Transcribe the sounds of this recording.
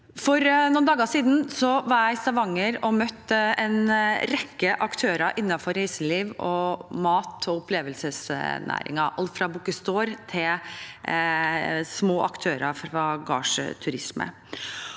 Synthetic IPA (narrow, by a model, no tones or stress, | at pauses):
fɔɾnuːnd̪ɑːɡəsiːd̪n̩sɔʋɑɾjæɪst̪ɑʋɑŋːəɾɔmœt̪ːɛnɾɛkːəʔɑkt̪ʰøːɾɑʔɪnːɑfɔɾæɪsəliːʋɔmɑːt̪ʰɔʊpʰleːʋəlsəsnæ̰ːɾɪ̰ŋɑʔɑlt̪fɾɑbukəst̪oːɾt̪ʰɪl | smoːʔɑ̰kt̪ʰøːɾɑfɾɑɡɑ̰ːʂt̪ʰʉɾɪsmə̰